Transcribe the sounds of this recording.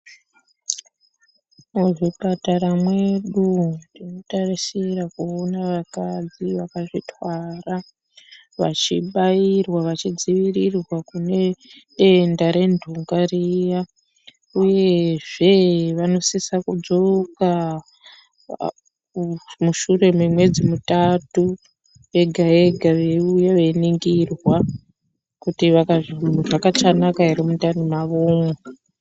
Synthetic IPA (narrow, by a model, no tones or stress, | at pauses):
muʐipataɾamwe̞ɗundino̞tarisiɾakuonaʋakad͡ziʋakaʐitwara | ʋa̰t͡ʃiɓajirwaʋat͡ʃid͡ziʋirirwakune̞ɗe̞ndaɾe̞ndʱuŋɡarija | uje̞ʐe̞ʋano̞sisakud͡zo̞ka | muʃure̞mumwe̞d͡zimutatu | e̞ɡʱae̞ɡʱaʋeujaʋeniŋɡirwa | kutiʋakaʐʐakat͡ʃanakaɦiɾimutanimaʋoːma